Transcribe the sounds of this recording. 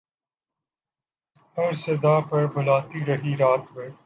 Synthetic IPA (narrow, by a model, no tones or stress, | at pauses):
ɐɾsɐd̪aːpɐɾbʊlaːt̪iɾɐɦiɾaːt̪ʋəɾ